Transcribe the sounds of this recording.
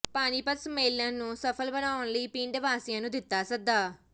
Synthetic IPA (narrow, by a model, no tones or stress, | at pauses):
paːniːpət̪smeːlːãːnũːsəpʰəlbənaːʊɳləiːpĩːɳɖʋaːsijãːnũːd̪ɪt̪ːaːsəɡ̚d̪aː